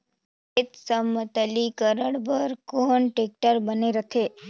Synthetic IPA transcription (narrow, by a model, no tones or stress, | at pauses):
ɪt̪səmət̪əlikəɾəɽbəɾkoːnʈek̚ʈəɾbəneɾət̪ʰeː